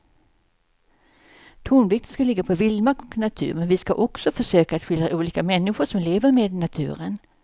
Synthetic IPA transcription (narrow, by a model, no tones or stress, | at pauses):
t̪ʰuːnvɪk̚t̪ənskalɪɡːapʰɔvɪlmakɔknat̪ʰʉ̟ːɾmɛnvɪskaʔɔksɔfœʂøːkaːt̪ɧʏld̪ɾaʔuːliːkamɛnːɪɧʊʂɔmleːvəɾmeːd̪nat̪ʰʉ̟̰ːɾən